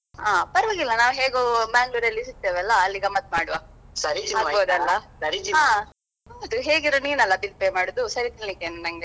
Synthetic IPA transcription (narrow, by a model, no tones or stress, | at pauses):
ɦaːpɐɾʋɐːɡilːɐnaːʋɦeːɡobaːŋɡluːɾɐlːisut̪ːeːʋɛlːɐːlːiɡɐmːɐt̪ːmaːɽuʋasɐɾiaːoːd̪ɐlːɐsɐɾiaː | bod̪uɦeːɡiɾoːniinɐlːɐbilpemaːɽud̪usɐɾit̪iɭlikːeːnunɐŋɡe